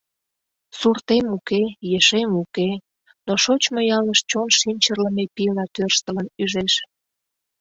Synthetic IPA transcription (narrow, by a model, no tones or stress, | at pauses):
surt̪emukejəʃemuke | noʃot͡ɕmojɑləʃt͡ɕonʃinʲt͡ɕərləmepilɑt̪ørʃt̪ələnyʒeʃ